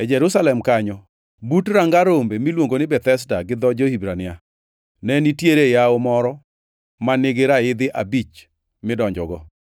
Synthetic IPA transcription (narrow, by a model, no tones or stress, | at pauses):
ɛd͡ʒɛɾusalɛmkaɲɔ | butɾaŋɡaɾombemilwoŋɡonɪbɛt̪ɛs̬daɡɪd̪ɔd͡ʒɔhibɾanɪa | nɛnitjeɾejaomɔɾɔ | manɪɡɪɾaɪd̪ɪʔabit͡ʃ | mɪdɔɲd͡ʒɔɡɔ